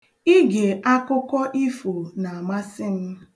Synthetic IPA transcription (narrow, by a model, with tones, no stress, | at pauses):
i˦ɡe˨ʔa˦kʊ˦kɔ˦ʔi˦fo˨na˨a˨ma˦sɪ˦n̩˦